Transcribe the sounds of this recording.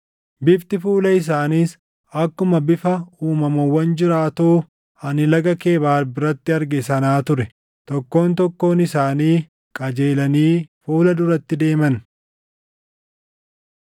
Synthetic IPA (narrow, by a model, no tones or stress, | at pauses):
bɪft̪ɪfuːlɐɪs̬aːniːs | ɐkːʊmɐbɪfɐuːmɐmɐwːɐnd͡ʒɪɾaːt̪oː | ɐnɪlɐɡɐke̞ːbaːɾbɪɾɐt̪ːɪɐɾɡɛsɐnaːt̪ʊɾɛ | t̪ɔkːo̞ːnt̪ɔkːo̞ːnɪsaːniː | kʼɐd͡ʒe̞ːlɐniːfuːlɐd̪ʊɾɐt̪ːɪd̪e̞ːmɐn